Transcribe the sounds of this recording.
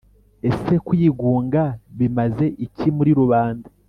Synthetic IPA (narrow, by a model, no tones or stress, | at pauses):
e̞se̞kujiɡuːŋɡaβimaze̞ʔicimuɾiɾuβaːnda